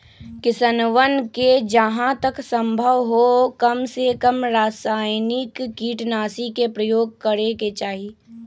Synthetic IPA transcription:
kɪsənʋənked͡ʒɐɦãt̪ɐksə̃mbʱəʋɦokɐmsekəmɾaːsaːjnɪkːiːʈnaːsikepɾəjoːɡ̚kɐɾeket͡ʃaːɦi

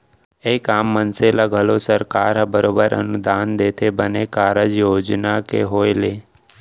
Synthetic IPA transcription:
eːkaːmːənselaɡʱəlosəɾkaːɾɦəbəɾoːbəɾə̰nʊd̪aːnd̪eːt̪ʰebənekaːɾəd͡ʒjoːd͡ʒnakḛɦoːeleː

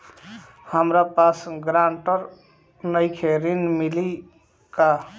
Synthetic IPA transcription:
həmɾapasɡɾaɳʈəɾ | nəjkʰeɾinmili | ka

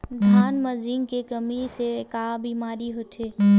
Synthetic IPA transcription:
d̪ʱaːnməd͡ʒɪ̃ŋkekəmisekabiːmaːɾiɦot̪ʰeː

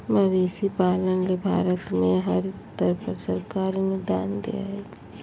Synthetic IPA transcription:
məʋeːsipaːlənlebʱa̰ːɾət̪mẽɦəɾt̪əɾpəɾsəɾkaːɾinʊd̪a̰ːnd̪ḛa̰e

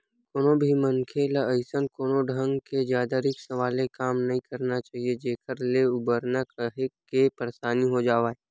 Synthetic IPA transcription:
koːnõbʱiməŋkʰelaəɪsənkoːnõɖʱə̃ŋɡked͡ʒjaːd̪aɾɪksɐʋaːlekaːmnɐɦĩkɐɾnat͡ʃaːɦied͡ʒeːkʰəɾleʊbəɾnəkəɦekːepəɾeʃaːniɦod͡ʒaːʋaːe

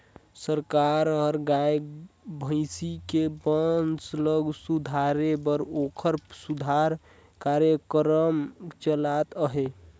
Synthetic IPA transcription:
səɾkaɾɔɾɡajbʱə̃ɪsikebənsləɡsud̪ʱaɾebəɾokʰəɾsud̪ʱaɾ | kaɾjəkɾəmt͡ʃəlat̪əɦe

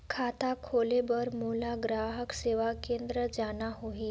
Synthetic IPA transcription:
kʰat̪akʰolebəɾmulaɡɾaɦəkseʋakend̪ɾəd͡ʒanaɦoɦi

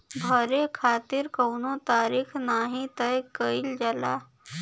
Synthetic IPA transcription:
bʱəɾekʰaːt̪ɪɾkɐwnot̪aːɾiːkʰnaːɦĩt̪əjkəild͡ʒəla̰

